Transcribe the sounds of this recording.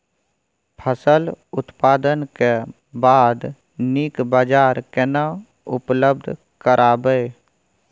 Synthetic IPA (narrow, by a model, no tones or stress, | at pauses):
pʰəsəlʊt̪paːd̪ənke | baːd̪ | nikbaːd͡ʒaːɾkena | ʊpləb̚d̪ʱ | kəɾʔaːbəe